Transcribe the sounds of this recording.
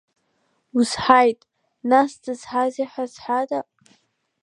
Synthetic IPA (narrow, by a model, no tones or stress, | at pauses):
uzħajtʼ | nasdɨzħazeħaz̥ħatʼa